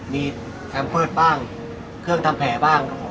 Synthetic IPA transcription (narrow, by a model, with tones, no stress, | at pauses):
miː˧ | k̪ʰɛː˧mpʰɤː˥˩t̪̚baː˥˩ŋ | kʰɯ˥˩əŋt̪ʰa˧mpʰɛː˩˦baː˥˩ŋ